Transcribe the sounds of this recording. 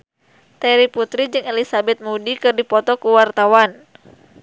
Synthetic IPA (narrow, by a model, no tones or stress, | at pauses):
t̪ɛɾiput̪ɾid͡ʒɨŋelisabɛt̪̚mudikɨrdipɔt̪ɔkuwart̪awan